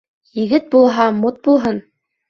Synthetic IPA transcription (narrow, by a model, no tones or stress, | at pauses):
jɘ̆ɡɘt̪̚bulˠɦɑmot̪̚bulˠɦɤn